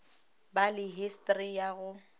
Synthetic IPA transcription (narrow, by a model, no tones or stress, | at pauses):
balɪɦistʼrijaɣʊ